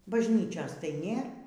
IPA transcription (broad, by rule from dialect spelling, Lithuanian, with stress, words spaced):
bɐʒʲˈnʲiːt͡ʃʲoːs tɐɪ ˈnʲeːr